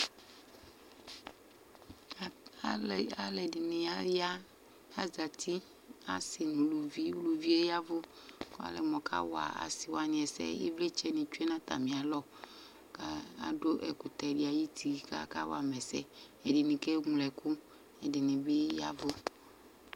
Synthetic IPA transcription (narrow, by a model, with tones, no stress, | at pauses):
a˦lɛ˨dɪ˨nɪ̃˨a˦a˦ | a˨za˨t̪ʰi˦ | a̰˨sɪ˨nũ˨lu˨vi˦u˦lu˨vi˦e˦ja˦vʊ˦ | ka̰˨˦lɛ˨mɔ˨kʰa̰˦wa̰˨a̰˨sɪ˨wa˨nɪ̃˨ɛ˨sɛ̰˦jɪ̰˦vle˦t͡ʃɛ˦nɪ̃˨t͡ʃu˦e˦nã˦t̪a̰˨mĩ˨a˨lɔ˦ | ka˦a˨do˦ʔɛ̰˨kʊ˨t̪ɛ˨di˨a˨ji˦t̪ʰi˨ka̰˦ka̰˦wa˨mɛ˨sɛ̰˦ | ɛ˨dɪ˨nɪ̃˨kɛ˦ŋu˨lɛ˨kʊ˦ | ɛ˨dɪ˨nɪ̃˨bɪ˦ja̰˦vʊ˦